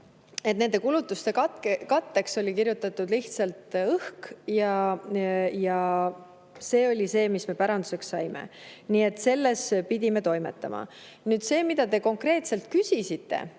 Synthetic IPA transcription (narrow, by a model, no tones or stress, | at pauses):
et̪̚ːne̞nd̪e̞kulut̪ːˑust̪e̞kɑt̪kekɑt̪ːe̞kso̞lʲikiɾjut̪ːˑɑt̪ːˑud̪liht̪sɑlt̪ɤhkjɑ | jɑ | se̞ːo̞lʲise̞ːmisme̞pæɾɑnd̪use̞ksːɑjmḛniːe̞t̪ːˑse̞lːe̞spid̪̥ʲime̞t̪o̞jme̞̰t̪ːˑɑmɑ̰ | nyːd̪se̞ːmid̪̥ɑt̪e̞ko̞ŋkre̞ːt̪se̞lt̪̚kysʲisit̪ˑːe̞̰